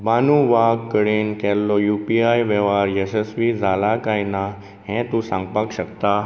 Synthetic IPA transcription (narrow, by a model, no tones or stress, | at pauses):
baːnũʋaːkːəɽenkeːlːojuːpiaːiʋeːʋaːɾjesesʋizaːlakaːina | ɦɛ̃t̪usãːŋɡpakɕək̚t̪a